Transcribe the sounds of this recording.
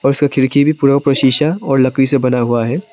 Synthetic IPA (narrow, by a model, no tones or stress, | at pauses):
ɔːɾɪskakʰɪɾkʰibʱipuːɾakapɾɐʃiːʃaɔːɾlɐkɾisebɐnaɦuaɦɛː